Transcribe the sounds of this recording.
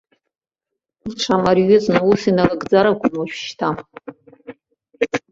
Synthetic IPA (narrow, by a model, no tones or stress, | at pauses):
iʈ͡ʂʷʰamarɥɪznusinarɨɡd͡zaɾakʷʰʊmaʃʷᶣʃtʰa